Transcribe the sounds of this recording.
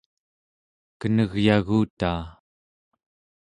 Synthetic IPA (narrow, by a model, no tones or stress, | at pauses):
kənəɣjaɣuːt̪aː